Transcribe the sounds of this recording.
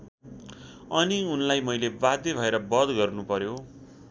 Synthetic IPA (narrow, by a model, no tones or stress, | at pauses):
ʌniunlajmʌjlebad̪jebʱʌeɾʌbʌd̪ɡʌrnupʌɾjo